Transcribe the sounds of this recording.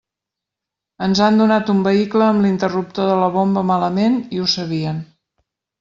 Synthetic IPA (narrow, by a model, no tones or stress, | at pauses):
ənzand̪unat̪umbəikləːmlint̪ərup̚t̪oðələβombəmaləmeniusəβiən